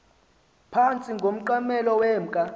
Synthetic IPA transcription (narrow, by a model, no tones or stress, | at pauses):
pʰant͡sʼiŋɡʱom̩ǃamɛlɔwɛːm̩kʼa